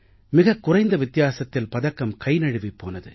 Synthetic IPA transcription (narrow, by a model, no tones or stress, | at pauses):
mɪɣɐkːʊrɐɪnd̪ɐʋɪt̪ːɪjaːsɐt̪ːɪlpɐðɐkːɐmkɐɪnɐɻɯʋipːo̰ːnɐðɯ̰